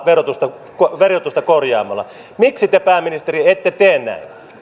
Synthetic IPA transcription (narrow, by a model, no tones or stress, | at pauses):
ʋerot̪ust̪ɑ | koʋerot̪ust̪ɑkorjɑ̰ːmˑɑlːˑɑ̰ | miksit̪epæˑːmːinist̪eriet̪ːet̪eːnnæ̰in